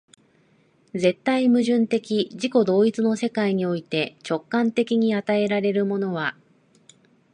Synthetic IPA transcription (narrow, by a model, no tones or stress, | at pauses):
ze̞t̪ːaimɯ̟ʑɨ̃nt̪e̞kʲiʑiko̞d̪o̞ːit͡sɨno̞se̞kaiɲ̟io̞it̪e̞t͡ɕo̞kːãnt̪e̞kʲiɲ̟iat̪ae̞ɾaɾe̞ɾɯ̟mo̞no̞βa